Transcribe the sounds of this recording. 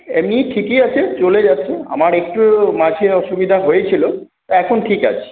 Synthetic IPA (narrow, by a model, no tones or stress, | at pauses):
ḛmniʈʰikijat͡ɕʰet͡ɕoled͡ʑatːʰea̰maɾek̚ʈumad͡ʑʱʰeɔʃubid̪ʱaɦojet͡ɕʰilo | t̪ɛkʰonʈʰika̰t͡ɕʰe̥